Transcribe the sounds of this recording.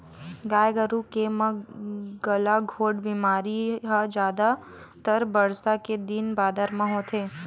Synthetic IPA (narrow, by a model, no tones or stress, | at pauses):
ɡaːjɡəɾukemɐɡɐlaɡʱoːɖbiːmaːɾiɦad͡ʒjaːd̪a | t̪əɾbəɽsaked̪inbaːd̪əɾmãɦoːt̪ʰeː